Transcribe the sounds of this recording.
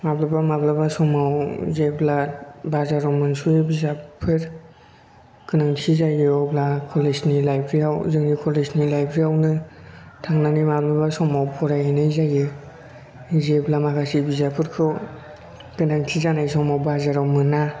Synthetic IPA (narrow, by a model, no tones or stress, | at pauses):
mablabamablabasɔmawzeblabazaɾawmɯnsubizapʰɯɾ | kɯnaŋtʰizajɔblakʰɔleznilajpʰɾiawzɯŋnikʰɔleznilajpʰɾiawnɯtʰaŋnanimablabasɔŋmawpʰɔɾajanɯjzajɯ | zeblamakʰasibizapʰɯɾkʰɯw | kɯnaŋtʰizanajsɔŋmawbazaɾawmɯna